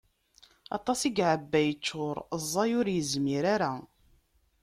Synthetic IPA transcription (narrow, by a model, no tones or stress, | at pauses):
ɑ̰t̪ˤɑsiɡʕəbːæjət͡ʃːʊɾˤzˤːɑjʊɾjəzmiɾaɾa